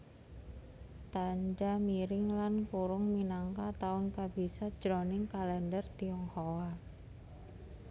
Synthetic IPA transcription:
t̪and͡ʒamiɾɪŋlankuɾʊŋminaŋkat̪aʊnkabisḁd͡ʒ̥ɾɔnɪŋkalɛndərt̪iɔŋhowa

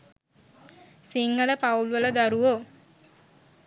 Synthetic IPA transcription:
siŋɡələpaulʋələd̪aɾuʋo

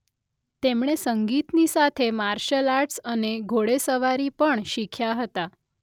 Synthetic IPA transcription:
t̪emɽ̃esəŋɡit̪nisat̪ʰemaɾɕəlaɾʈsəneɡʱoɽesəʋaɾipəɳɕikʰjaɦət̪a

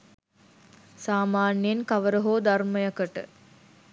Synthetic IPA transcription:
saːmaːnjenkɐʋəɾəɦoːd̪ɐrməjɐkəʈə̰

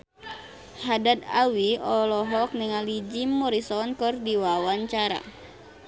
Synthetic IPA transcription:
hadat̪̚a̰wiɔlɔɦɔk̚nəŋalid͡ʒimːɔɾisɔnkɔrdiwawaɲt͡ʃaɾa̰

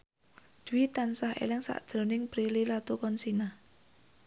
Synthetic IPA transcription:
d̪̥uwit̪ansaɦḛlɪŋsa̰ʔd̥ʒ̥ɾo̤nɪŋpɾililat̪ukɔnsina

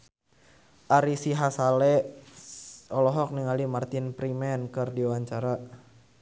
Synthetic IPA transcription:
ʔaɾisiɦasalɛ | ɔlɔɦɔk̚niŋalimart̪inpɾimɛnkɨrdiwaɲt͡ʃaɾa

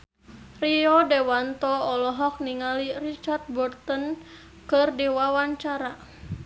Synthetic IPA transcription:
riɔdɛwant̪ɔːlɔɦɔk̚niŋalirit͡ʃart̪̚bɔrt̪ɔn | kɨrdiwawaɲt͡ʃaɾa

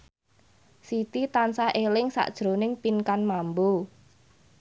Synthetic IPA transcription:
sit̪it̪ansaʔelɪŋsa̰ʔd̥ʒ̥ɾonɪŋpinkanmambu

